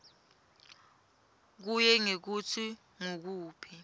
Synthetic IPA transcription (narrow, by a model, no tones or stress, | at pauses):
k̬ujɛŋek̬ut͡sʰi | ŋok̬uːpʰi